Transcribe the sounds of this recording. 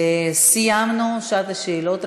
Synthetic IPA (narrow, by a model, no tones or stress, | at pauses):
esiamnoʃat̪ʃelot̪